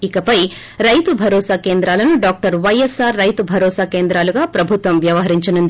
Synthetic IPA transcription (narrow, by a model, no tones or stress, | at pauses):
ikɐpɐj | ɾɐjt̪ubʱɐɾɔːsaːkeːnd̪ɾaːlɐnuɖaːk̚ʈɐɾʋɐjesaːɾːɐjt̪ubʱɐɾɔːsaːkeːnd̪ɾaːluɡaːpɾɐbʱut̪ʋɐmʋjɐʋɐɦɐɾiɲt͡ʃɐnund̪i